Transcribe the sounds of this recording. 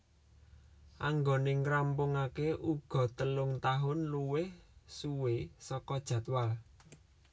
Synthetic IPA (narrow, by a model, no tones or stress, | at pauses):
ʔaŋɡonɪŋrampʊŋakeʔuɡ̥ɔ̤t̪əlʊŋt̪aɦʊnluwɪhsuwesɔkɔd̥ʒ̥a̤t̪wal